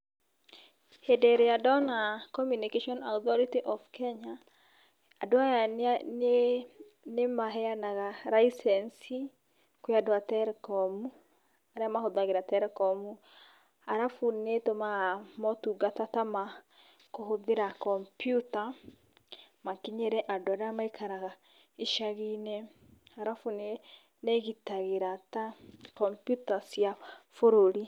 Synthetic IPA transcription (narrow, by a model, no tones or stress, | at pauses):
hedeɾejadɔnakɔmjunikeʃɔnat̪ɔɾitiʔɔfkɛɲaː | dwajane | nemaɦɛjanaɡaɾaisɛnsi | kwɪadwatɛɾkɔmu | aɾamahod̪aɡɪɾatɛɾkɔmu | aɾafunetomamɔtuɡatatama | koɦoðeɾakɔmpjuta | makiɲɛɾɛʔadoaɾeamaikʰaɾaɣa | iʃaɣine | aɾafune | neɣitaɣeɾatakɔmpjutasjafoɾoɾi